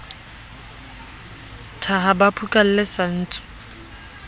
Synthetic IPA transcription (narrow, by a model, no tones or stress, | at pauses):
tʰaɦabapʰukʼal̩lɪsan̩ːt͡sʼʊ̥